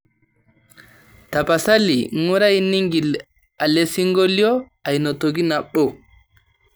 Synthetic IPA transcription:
tapasa˦liŋu˦ɾa˦jni˦ŋɡi˨l | a˨lesi˦ŋɡolijɔ | a˨jnɔ˨toɡi˦naɓːɔ

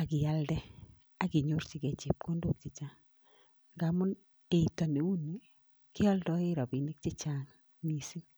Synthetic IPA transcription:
a˨ɡɪ˨ja˦ldɛ˦ | a˦ɡɪ˨ɲo˦rt͡ʃɪ˨ɡe˨t͡ʃɪ˨p̚ko˦ndo˦k̚t͡ʃɪ˨t͡ʃa˦ŋ | ŋɡa˨mʊ˦n | e˨i˨tɔ˨ne˨u˦ni˦ | kɪ˦ɔ˦ldɔ˦ɪ˦ɾɔ˨bɪ˨nɪ˦k̚t͡ʃɪ˦t͡ʃa˨ŋ | ni˨si˦n

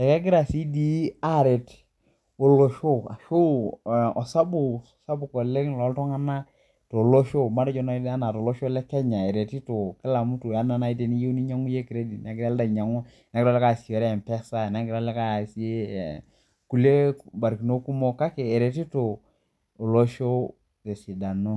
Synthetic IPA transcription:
ɛ˨kɛ˦ɡɪ˦ɾa˨si˦di˦a˦˨ɾe˨t | o˨lo˨ʃo˦a̰˨ʃo˦˨ɔ˨sa˦bu˨ | sa˦bu˨kɔ˨le˦ŋlɔ˨˦ltɔ˦ŋa˦na˦ | to˨lo˦ʃo˦ma˦dɛ˦t͡ʃɔ˦na˦a˦na˨to˨lo˦ʃo˦lɛ˦kɛ˦ɲa˨ɛ˨ɾe˨ti˦to˨kɪ˦la˨mu˦to˨ja˦na˨na˨˦i˦t̬e˨ni˦je˦u˦ni˦ɲa˦ŋu˦je˦kɪ˨ɾe˦di˨nɛ˨˦kɪ˦ɾlda˨ɲa˨ŋu˦ | na˦ktɔ˦lɛ˦ka˦˨si˨ɛ˨ɾɛ˦˨m˨pɛ˦sa˦˨na˦kɪ˦ɾa˦lɛ˦ka˦˨si˦e˦˨ | ku˨le˦ba˨ɾki˨no˦ku˦mo˦ka˦ke˨e˨ɾe˨ti˦to˨ | o˨lo˦ʃo˦ | te˨si˨da˨no˦

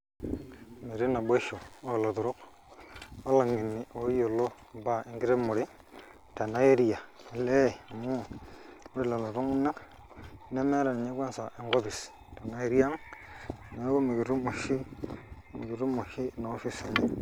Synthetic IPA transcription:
mi˨ɾi˦na˨ɓe˦ʃo˨o˦˨lo˨tu˨ɾu˦k̚ | o˦la˨ŋɡi˨nːi˨ʔo˨˦jo˨lo˦˨ba˦˨i˦ŋɡi˦ɾe˦mu˨ɾi˦ | ta˨na˦je˦ɾi˦ja˨le˦˨mu˦˨u˦ɾi˨la˨lo˨tu˦ŋ˦na˦k | ne˦me˦ɾa˨n˨ɲe˦kʷa˦nsa˨ʔi˦ŋɡo˦bi˨s | ta˨na˦i˦ɾi˦ja˦ŋ˨ | na˨˦ɡo˦mi˨ɡi˨ɾu˦mo˨ʃi˦ | mḭ˨ɡi˨ɾu˦mo˨ʃi˦˨na˨˦fi˦si˨ɲi˦

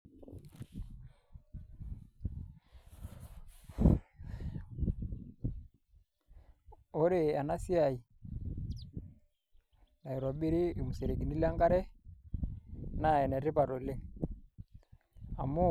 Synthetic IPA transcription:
o˦ɾe˦˨a˨na˦si˦a˨i˨ | ja˨i˨ɾɔ˨ɓi˦ɾi˦˨mu˨se˨ɾe˨ɡi˨ni˦la˦ŋɡa˦ɾɛ˦ | na˦˨ɛ˨nɛ˨ɾe˦pa˨ɾo˨le˦ | a˨mu˦

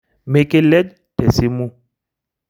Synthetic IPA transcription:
me˨ke˦lɛ˦k | tɛ˨si˦mu˦

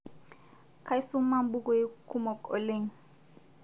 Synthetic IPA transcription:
kʰa˦i˦su˦ma˦m˦bu˦kɔ˦i˦ku˦mɔ˨kʼɔ̰˨le˦˨ɲ̩˨

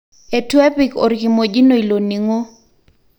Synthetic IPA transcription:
e˨twɛ˦pi˨ko̰˨ɾki˨mo˨d͡ʒi˦no˨i˨lo˨ni˨ŋo˦

